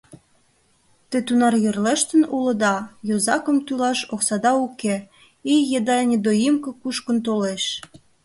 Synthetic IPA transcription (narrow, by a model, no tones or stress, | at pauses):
t̪øt̪unɑrjørleʃt̪ə̆nulɤ̆d̪ɑjozɑkə̆mt̪ylɑʃoksɑd̪ɑuke | ijjed̪ɑnʲed̪ojimkɤ̆kuʃkə̆nt̪oleʃ